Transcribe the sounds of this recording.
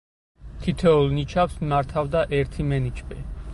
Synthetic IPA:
t̪ʰit̪ʰɛɔlˠnit͡ʃʰafsmaɾt̪ʰavd̪aʔɛɾt̪ʰimɛnit͡ʃʰʼpʼḭ

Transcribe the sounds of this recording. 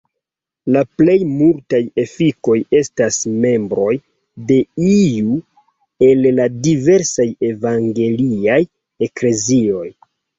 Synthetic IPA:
laple̞jmultaje̞fiko̞je̞stasme̞mbɾo̞j | de̞iju | e̞lladive̞ɾsaje̞vaŋɡe̞liaj | e̞kle̞zio̞j

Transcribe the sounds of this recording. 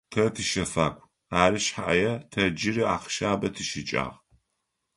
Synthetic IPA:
tʰɐtʰɨʃɐfa̰ːkʷʰʼ | aːɾɨɕħaʔɐ̰jɛtʰɐd͡ʒɪrɨaːqʃaːbɐtʰɨʃɪt͡ʃʼa̰ːʁ

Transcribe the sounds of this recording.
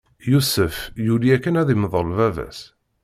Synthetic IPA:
jusəfjuliækːənæðiməðˤolvævæ̰s

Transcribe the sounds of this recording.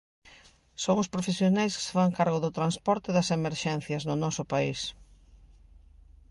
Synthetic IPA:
soŋʊspɾofesjonajskɪ̥se̥faŋkaɾɣʊðʊt̪ɾanspɔɾt̪ɪðɐsemeɾʃɛn̟θjɐznʊnɔsʊpais

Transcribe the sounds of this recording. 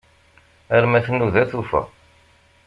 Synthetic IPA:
æɾmæθənːuðæθufæ̰

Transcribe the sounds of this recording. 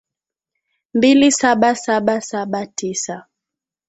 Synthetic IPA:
mbilisaɓasaɓasaɓatisa

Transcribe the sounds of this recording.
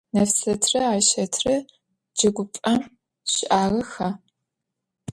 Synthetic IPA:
nɐfsɐtʰrɐaːʃɐtʰrɐ | d͡ʒɐɡʷʊpʼɐm | ɕɪʔaːʁɐxɐ

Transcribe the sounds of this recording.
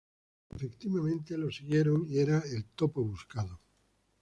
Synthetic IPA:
efe̞kt̪iβamẽ̞nt̪e̞lo̞siɣje̞ɾo̞ŋie̞ɾae̞lt̪o̞poβuskaðo

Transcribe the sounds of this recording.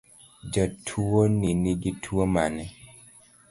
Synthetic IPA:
d͡ʒɔtʰuoniniɡitʰuomanɛ

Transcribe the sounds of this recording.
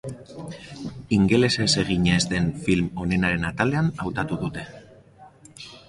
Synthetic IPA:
iŋɡe̞le̞se̞se̞ɣ̞iɲe̞zd̪e̞nfilmo̞ne̞naɾe̞nat̪ale̞anawt̪at̪uðut̪e̞

